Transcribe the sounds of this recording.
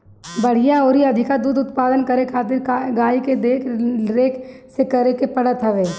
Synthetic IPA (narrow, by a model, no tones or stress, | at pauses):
bɐɽ̤ɪjaɔːɾiɐd̪ʱɪkad̪uːd̪ʊt̪paːd̪ənkɐɾekʰaːt̪ɪɾɡaːiked̪eːkʰɾeːkʰsekɐɾekepɐɽ̤ət̪ɦɐʋeː